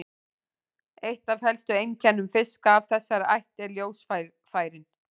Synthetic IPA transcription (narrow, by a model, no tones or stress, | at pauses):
ejht̪avhɛlst̪ʏejncʰɛnːʏmfɪskaːvθɛsːaɾa̰jht̪ɛɾljoːwsfa | faːjɾɪn